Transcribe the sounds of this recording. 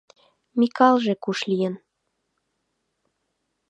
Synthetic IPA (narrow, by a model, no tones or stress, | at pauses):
mikɑlʒekuʃlijən